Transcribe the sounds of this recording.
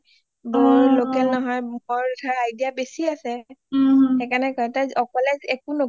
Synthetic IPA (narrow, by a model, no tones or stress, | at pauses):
boɦulokɛlnɔɦɔjɔɹtʰaajdiabesiasɛ | ɛkanɛkatazɔkɔlɛzɛkuno